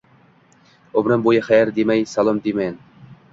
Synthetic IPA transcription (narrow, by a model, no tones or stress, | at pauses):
obɾɪmbojɪχajaɾd̪emajsalˠɒmd̪emajn